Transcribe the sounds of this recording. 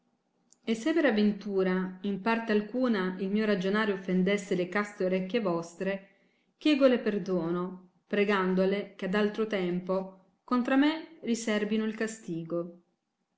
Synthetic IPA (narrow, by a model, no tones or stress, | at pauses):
esːepeɾavːent̪uːɾaimpart̪ealkuːnailmiːoɾad͡ʒonaːɾjofːend̪esːelekast̪eoɾekːevɔst̪ɾe | k̟jɛːɡoleperd̪oːno | pɾeɡand̪olekead̪alt̪ɾot̪ɛmpo | kont̪ɾamerisɛrbinoilkast̪iːɡo